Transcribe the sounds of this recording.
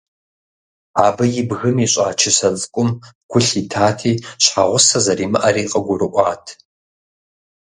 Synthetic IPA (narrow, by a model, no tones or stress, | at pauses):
aːbɐjɪbɣɨmiɕʷʼaːt͡ʃʰɪsɐt͡sʼkʷʼʊmkʷʰʊɬitʰaːtʰiːɕħaʁʷʊsɐzɐriːmɨʔɐɾiːqʼɐɡʷʊrɨʔʷʼɑːtʰ